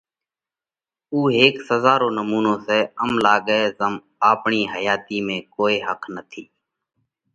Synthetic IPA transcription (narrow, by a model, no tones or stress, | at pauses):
uːɦeːksəzaːɾoːnəmuːnõːseːəmlaːɡəeːzəm | aːpɳiːɦəjaːt̪iːmẽːkoːeːɦəkʰnət̪ʰiː